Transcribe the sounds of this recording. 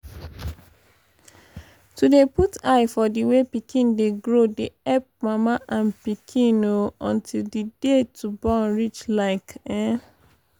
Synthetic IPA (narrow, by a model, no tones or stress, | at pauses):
tudeputajfɔdiwepikĩndeɡɾodeɛp̚mãmãʔãnpikʰĩnoɔ̃ntʰildidetubɔ̃nɹit͡ʃlaɪkɛ̃